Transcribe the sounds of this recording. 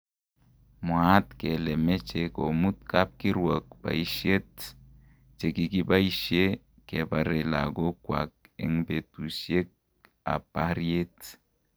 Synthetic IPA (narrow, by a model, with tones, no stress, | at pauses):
mwa˨˦tke˨le˨me˦t͡ʃe˨ko˨mu˦t̚ka˦p̚ki˦ɾwə˨k̚ba̰˨i˦ʃje˦t | t͡ʃe˨ki˨ki˦ba˦i˦ʃe˦ | ke˨ba˨ɾe˨la̰˨ɡo˦kwa̰˨k̚ḛ˨˦ŋbe˨tu˨sje˦k̚ | a̰˨pa˦ɾje˦t